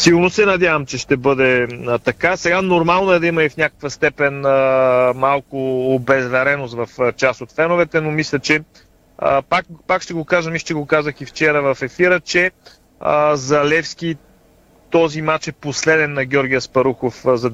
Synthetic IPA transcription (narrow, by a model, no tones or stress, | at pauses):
siɡʊɾnosɛnɐd̪ʲjavɐmt͡ʃɛʃt̪ɛbɤd̪ɛət̪ɐkasɛɡanoɾmalˠnoɛd̪ɐiməifnʲakəkvəst̪ɛpɛnəmalˠkʊːbɛzvɛɾɛnost̪vɐft͡ʃasot̪fɛnovɛt̪ɛnomislʲɛt͡ʃɛ | ə̰pakpakʃt̪ɛɡokaʒəmiʃt̪ɛɡokazəxift͡ʃɛɾəvɐfɛfiɾət͡ʃɛ | ə̰zɐlɛfskʲi | t̪ɔzimat͡ʃɛposlɛd̪ɛnːɐɡʲɔɾɡʲiəspɐɾuxofzɐ